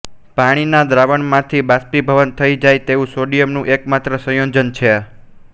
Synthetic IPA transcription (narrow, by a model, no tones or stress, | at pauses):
paɽ̃inad̪ɾaʋəɳmãt̪ʰibaspibʱəʋənt̪ʰəid͡ʒajt̪eʋũsoɖijəmnũʔekmat̪ɾəsə̃jod͡ʒənt͡ʃʰe